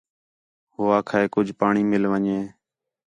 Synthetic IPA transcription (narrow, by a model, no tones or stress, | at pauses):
ɦoːaːkʰaːeːkʊd͡ʒʱpaːɳiːmɪlʋəɲeː